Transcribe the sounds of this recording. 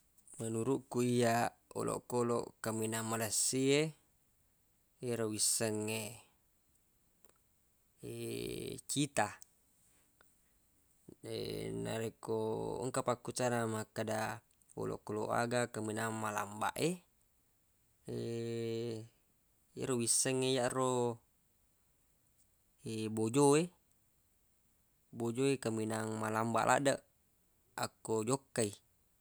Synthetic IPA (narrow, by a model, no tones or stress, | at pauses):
mənuɾuʔkuija | o̰lʔo̰ʔkolo̰ʔkaminamalasːie | eɾowisːəŋːe | ḛ | t͡ʃit̪a | ḛna̰ɾeko̰ŋkapakːut͡ʃanamakːada | o̰lo̰ʔkːoloʔa̰ɡakaminaŋmala̰mba̰ʔe | e | ja̰ɾowisːəŋːejaʔro | ebod͡ʒoe | bod͡ʒoekaminaŋmalamba̰ʔlʔa̰ʔdaʔ | akːod͡ʒokːai